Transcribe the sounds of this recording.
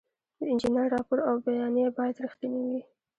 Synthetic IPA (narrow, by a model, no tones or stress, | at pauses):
d̪əɪnd͡ʒinəɾːɑpʊɾawbajɑnjebɑjad̪ɾixt̪iniwi